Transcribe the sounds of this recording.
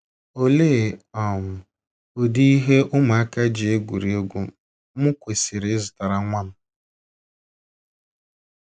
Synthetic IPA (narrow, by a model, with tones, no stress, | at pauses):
o˦le˦˨ɔ˨mʊ˨ | o˨di˦i˦ɦe˦ʔʊ˦ma˨a˦ka˦d͡ʒi˨e˦ɡʷṵ˨ɾi˨o˦ɡʷu˨˦ | mʊ˦kʷe˨si˨ɾɪ˨˦zʊ˨ta˨ɾa˨ŋʷa˦n̩˨